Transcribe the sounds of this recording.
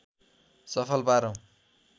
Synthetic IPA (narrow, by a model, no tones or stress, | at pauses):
sʌpʰʌlpaɾʌ̃w̃